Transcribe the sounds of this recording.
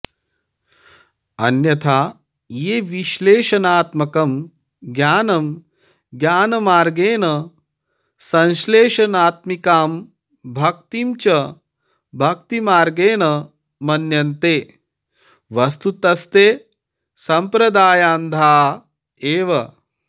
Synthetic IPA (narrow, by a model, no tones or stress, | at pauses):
ɐ̰njɐt̪ʰaː | jeːʋiʃleːʃɐnaːt̪mɐkɐm | ɡjaːnɐm | ɡjaːnɐmaːɾɡeːnɐ | sɐ̃nʃleːʃɐnaːt̪mikaːm | bʱɐk̚t̪imt͡ʃɐ | bʱɐk̚t̪imaːɾɡeːnɐ | mɐnjɐnt̪eː | ʋɐst̪ut̪ɐst̪eː | sɐmpɾɐd̪aːjaːnd̪ʱaː | eːʋɐ